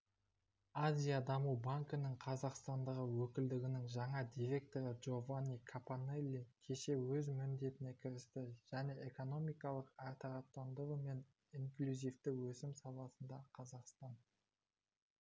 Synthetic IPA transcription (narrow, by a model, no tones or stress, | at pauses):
azʲijad̪ɑmubaŋkənəɴqʰɑzɑqst̪ɑnd̪əʁəwɵkʲɪld̪ɪɡʲɪnɪŋʒɑɴɑd̪ʲiɾʲe̞k̚t̪o̞ɾəʒo̞vanʲijkʰapanelʲːikʲʰe̞ʃe̞wɵzmʏnd̪e̞t̪ɪne̞kʲʰɪɾɪst̪ɪʒ̥æne̞ʔeko̞no̞mijkɑlˠəqɑɾt̪ɑʁɑt̪ːɑnd̪əɾəme̞n | iŋklʲuzijft̪ɪwɵsɪmsɑlˠɑsənd̪ɑqʰɑzɑqst̪ɑn